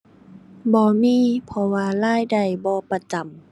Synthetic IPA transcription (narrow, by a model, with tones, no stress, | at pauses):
bɔː˧miː˧˥˨pʰɔ˧waː˧laː˧˥˩jda˧˩jbɔː˧˦pa˧t͡ɕa˨˩˨m